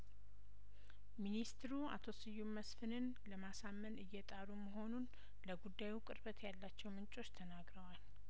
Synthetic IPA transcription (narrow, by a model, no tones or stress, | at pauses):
minist̪ʰɨɾua̰t̪ʰo̞sɨjːummːəsfɨnɨn | ləmasamːənɨjːɛt̪ʼaɾuməɦo̞nun | ləɡud̪ːajukʼɨɾbət̪ʰjalːat͡ʃːɛwmɨnt͡ʃʼo̞t͡ʃːt̪ʰənaɡɾəwal